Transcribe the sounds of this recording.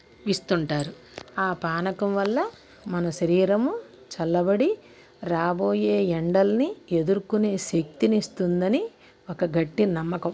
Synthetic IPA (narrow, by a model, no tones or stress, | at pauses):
ʋist̪uɳʈaːɾu | aːpaːnɐkɐmʋɐlːɐ | mɐnɐʃɐɾiːɾɐmu | t͡ʃɐlːɐbɐɽi | ɾaːboːjeːeɳɖɐlɐnied̪uɾukune̞ːʃek̚t̪inist̪und̪ɐni | okɐɡɐʈːinɐmːɐkɐm